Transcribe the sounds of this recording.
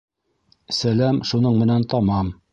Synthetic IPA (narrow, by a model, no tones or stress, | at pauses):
sælæmʃunɤɴmɘ̆nænt̪ɑmɑm